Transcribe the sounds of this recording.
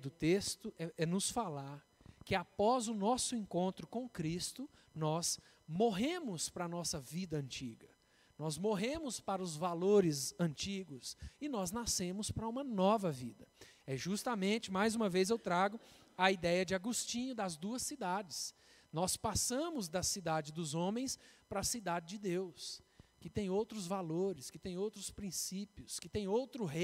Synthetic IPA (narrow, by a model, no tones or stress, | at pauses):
d̪ʊt̪est̪ʊɛɛnʊsfalaɾ | kɪapɔzʊnɔsʊẽkõnt̪ɾʊkõkɾist̪ʊnɔs | moɦẽmʊspɾɐanɔsɐvid̪ɐɐ̃nt͡ʃḭɡɐ | nɔzmoɦẽmʊspaɾɐʊzvaloɾɪzɐ̃nt͡ʃiɡʊsɪnɔznasẽmʊspɾɐũmɐnɔvɐvḭd̪ɐ | ɛʒust̪ɐmẽnt͡ʃɪmajzũmɐvezewt̪ɾaɡʊ | ɐid̪ɛjɐd͡ʒɪaɡust͡ʃĩɲʊd̪ɐzd̪uɐsid̪ad͡ʒɪs | nɔspasɐ̃mʊzd̪ɐsid̪ad͡ʒɪzd̪ʊzõmẽj̃spɾɐsid̪ad͡ʒɪd͡ʒɪd̪ewskɪt̪ẽj̃owt̪ɾʊzvaloɾɪskɪt̪ẽj̃owt̪ɾʊspɾĩsipiʊskɪt̪ẽj̃owt̪ɾʊɦe